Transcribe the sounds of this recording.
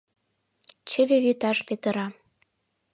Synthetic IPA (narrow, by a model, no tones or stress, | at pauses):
t͡ɕɘ̆βevyt̪ɑʃpet̪ə̆ɾɑ